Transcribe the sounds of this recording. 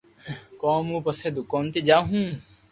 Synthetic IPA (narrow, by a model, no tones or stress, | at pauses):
kaːmũːpɐseːd̪ʊkaːnt̪id͡ʒaːɦũː